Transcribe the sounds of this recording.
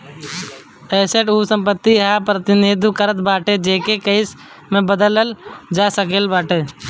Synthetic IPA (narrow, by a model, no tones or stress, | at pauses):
eːseʈuːsə̃mpət̪ːiɦaːpɾət̪ɪnid̪ʱkəɾət̪baːʈed͡ʒeːkekəɪs | mẽbəd̪ələld͡ʒaːsəkelbaːʈeː